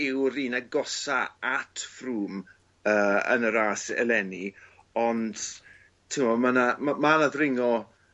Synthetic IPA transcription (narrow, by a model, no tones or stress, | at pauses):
ɪwɾiːnaɡɔsaatʰfruːm | əːə̰nəɾaːsɛ̰lˠɛni | ɔnd̥ | tʰɪmɔmanamamanaðɾɪŋɔ